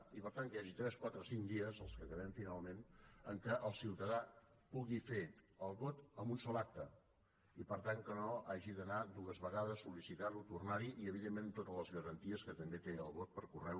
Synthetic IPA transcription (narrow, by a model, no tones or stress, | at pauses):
ipəɾt̪anjaʒit̪ɾɛskwat̪ɾəsiŋd̪iəzəlˠskəkəβ̞ɛmfinalˠmenəŋkəʔəlˠsiwt̪əða | puɣifeəlˠβot̪əmbunsɔlˠak̚t̪ə | ipəɾt̪aŋkənoaʒiðənad̪uəzβəɣaðəsːulisit̪alut̪urnaɾiʔiəβ̞iðemːẽnt̪ot̪ələzɣəɾənt̪iəskət̪əmbet̪eəlˠβot̪̚pəɾkurɛw